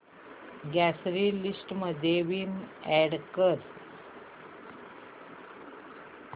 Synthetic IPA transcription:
ɡɛsɾiːlisʈməd̪ʱeʋimɛɽkəɾ

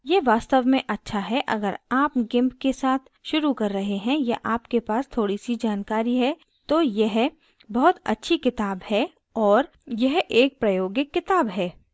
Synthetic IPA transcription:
jeɦʋaːst̪əʋmẽʔɐtːʃʰaɦɛʔɐ̰ɡəɾaːpɡɪ̃mpkesaːt̪ʰʃʊɾukɐɾːɐɦeɦɛ̃jaʔaːpkepaːst̪ʰoːɽisid͡ʒaːnkaːɾiɦɛ | t̪oːjɛɦ | bɐɦʊt̪ɐ̰tːʃʰikɪt̪aːbɦɛ | ɔːɾ | jɐɦeːk̚pɾɐjoːɡɪkːɪt̪aːbɦɛː

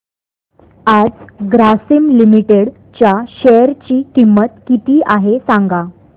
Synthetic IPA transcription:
ad͡zɡɾasimlimiʈeɽ | t͡ɕaɕɛjəɾt͡ɕiːkimːət̪kit̪iːʔaɦesãŋɡa

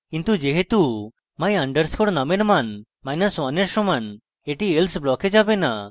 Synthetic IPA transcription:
kint̪ud͡ʒeɦet̪u | maj̃aɳɖəɾskʰoɽnameɾman | majnaswaneɾsɔman | eʈielsblɔked͡ʒabena

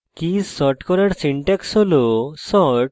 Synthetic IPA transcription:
kissɔʈkɔɾaɾsiɳʈaksɦolosɔʈ

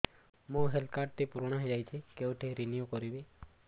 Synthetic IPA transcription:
mũɦelkaɾʈ̚t̪ipuɾɔɽ̃aɦed͡ʒajt͡ʃʰikeuʈʰiɾinijukɔɾibi

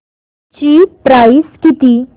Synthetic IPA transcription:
t͡ɕiːpɾaiskit̪iː

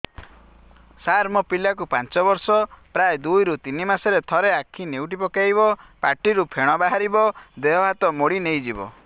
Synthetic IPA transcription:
saɾmɔpilakupant͡ʃɔbɔɾsɔpɾajd̪ujɾut̪inimaseɾet̪ʰɔɾeakʰːinewʈ̬ipɔkajβɔpaʈiɾupʰeɽ̃ɔbaɦaɾibɔd̪eɦɔɦat̪ɔmoɽinejd͡ʒibɔ̰

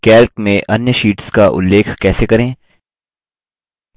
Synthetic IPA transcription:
kɛːlkmẽʔɐnjəʃiːʈskaʔʊ̰lːeːkʰkɛːsekɐɾẽː

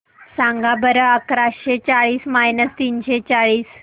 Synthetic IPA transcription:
sãŋɡabəɾəəkɾasɕet͡saɭiːsmajnəst̪iːnɕet͡saɭiːs

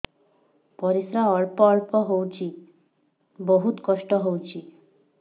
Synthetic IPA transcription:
pɔɾisɾaɔɭpɔɔɭpɔɦowt͡ɕʰi | boɦut̪kɔʃʈɔɦowt͡ɕʰi

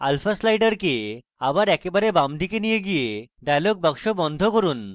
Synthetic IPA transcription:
alfʰaslajʈəɾke | abaɾɛkebaɾebamɖ̪ʱikenijeɡijeɖajlɔɡ̚bakʂɔbɔnd̪ʱɔkɔɾuːn

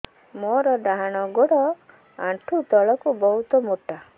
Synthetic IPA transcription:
moɾɔɖaɦaɽ̃ɔɡoɽɔ | aɳʈʰut̪ɔɭɔkubɔɦut̪ɔmoʈa

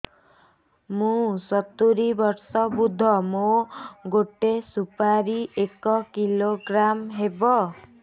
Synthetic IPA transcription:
mũsɔt̪uɾibɔɾsɔbud̪ʱɔmoɡoʈesupaɾiʔekɔkiloɡɾamɦebɔ

